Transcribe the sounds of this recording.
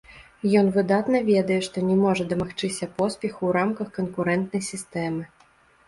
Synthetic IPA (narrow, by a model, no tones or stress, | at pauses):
jɔnvɨd̪at̪nɐvʲɛd̪ɐjɛʂt̪ɔnʲɛmɔʐɐd̪ɐmaxt͡ʂɨsʲɐpɔspʲɛxuwɾamkɐxkɐnkuɾɛnt̪nɐjsʲist̪ɛmɨ